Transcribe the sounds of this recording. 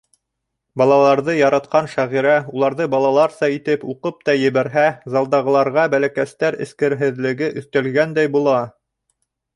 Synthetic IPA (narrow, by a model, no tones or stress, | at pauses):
bɑlˠɑlˠɑɾðɤjɑɾɑt̪qɑnʃæʁiɾæulˠɑɾðɤbɑlˠɑlˠɑɾsɑit̪ɘpuqɤp̚t̪ɑjɘ̆βæɾɦæzɑlˠd̪ɑʁɤ̆lˠɑɾʁɑbælækæst̪æɾɘ̰̆skɘ̆ɾɦɘ̆ðlɘ̆ɡɘʔɵ̆θt̪æ̆lɡænd̪æjbulˠɑ